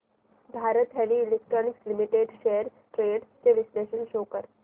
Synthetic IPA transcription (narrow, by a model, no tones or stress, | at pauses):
bʱaːɾət̪ɦɛʋiːlek̚ʈɾɔːnɪkslimiʈeɖʃeɦəɾ | ʈɾeːɖt͡ʃeʋɪsleːʃənʃoːkəɾ